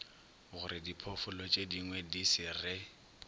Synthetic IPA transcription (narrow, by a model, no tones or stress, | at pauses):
ɣʊɾɪdipʰɔfʊlɔt͡ʃʼediŋwɛdisɪrɪ